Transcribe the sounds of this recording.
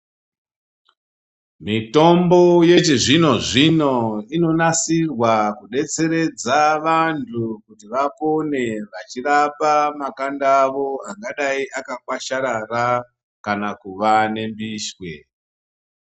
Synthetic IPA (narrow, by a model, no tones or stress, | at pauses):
mito̞mbo̞je̞t͡ʃiʐino̞ʐino̞ino̞nasirwakuɗe̞t͡se̞ɾe̞d͡zaʋantʰukutiʋako̞ne̞ʋat͡ʃirapamakandaʋo̞aŋɡaɗaiʔakakwaʃaɾara | kanakuʋane̞mbiːʃwḛ